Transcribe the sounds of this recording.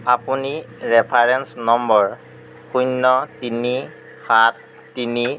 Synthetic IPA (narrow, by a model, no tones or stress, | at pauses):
apuniɹɛpʰaɹɛnsnɔmbɔɹ | xʰunːɔtini | xat̚ː | ini